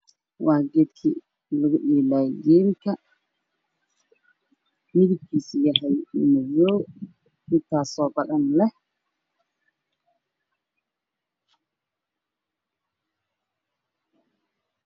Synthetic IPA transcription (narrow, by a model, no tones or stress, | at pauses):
wʔɑːɡɛːd̪kʰi | lɐɣʊɗiːlaːɡɛːmkʰɐ | mɪðɪb̚kʰiːsjɐɦɛjmɐjɔːw | ɪt̪ʰaːsɔːbɐɗɐnlɛh